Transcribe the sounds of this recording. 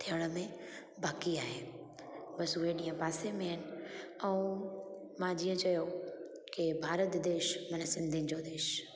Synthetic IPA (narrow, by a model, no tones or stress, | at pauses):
t̪ʰijəɽ̃ə̆mẽ | baːkiaːɦeː | bɐsʊɦeɗĩːə̃paːsemẽɦɪnɪ̆ɛ̃ũ | mãd͡ʑiːə̃t͡ɕɐjokɪbʱaːɾət̪d̪eːʃmɐnəsɪ̃nd̪ʱinɪ̆d͡ʑoːd̪eːʃ